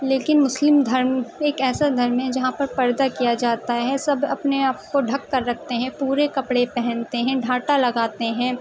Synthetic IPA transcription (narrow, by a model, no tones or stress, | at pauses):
leːkɪnmʊslɪmd̪ʱɐɾmeːkɛːsad̪ʱɐɾmɦɛd͡ʒɐɦãpɐɾpɐɾd̪akijad͡ʒaːt̪aɦɛsɐbɐ̰pneaːp̚koɖʱɐkːɐɾːɐk̚ʰt̪eɦɛ̃puːɾekɐpɽepɛɦɛ̃nt̪eɦɛ̃ɖʱaːʈalɐɡaːt̪eɦɛ̃ː